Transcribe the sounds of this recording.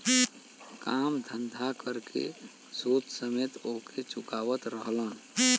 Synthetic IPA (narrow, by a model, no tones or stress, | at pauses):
kamd̪ʱənd̪ʱakəɾkḛ | sut̪səmet̪oket͡ʃukaːʋət̪ɾəɦlən